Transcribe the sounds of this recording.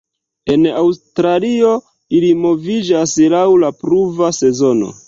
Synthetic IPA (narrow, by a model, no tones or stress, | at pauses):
e̞nawstɾalio̞ | ilimo̞vid͡ʒaslawlapɾuvase̞zo̞no̞̰